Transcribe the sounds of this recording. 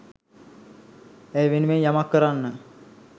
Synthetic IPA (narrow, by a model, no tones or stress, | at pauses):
æjʋenuʋeɲjamakːəɾanːə